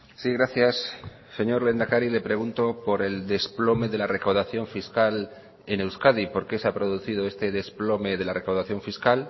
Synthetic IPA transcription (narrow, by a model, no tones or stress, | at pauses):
siɣɾaθjasː | e̞ɲo̞ɾle̞nd̪akaɾile̞pɾe̞ɣ̞unt̪o̞po̞ɾe̞ld̪e̞splo̞me̞ðe̞lare̞kawðaθjo̞ɱfiskal | e̞ne̞wskaðipo̞ɾke̞seapɾo̞ð̞uθið̞o̞e̞st̪e̞ðe̞splo̞me̞ð̞e̞lare̞kawðaθjo̞ɱfiskal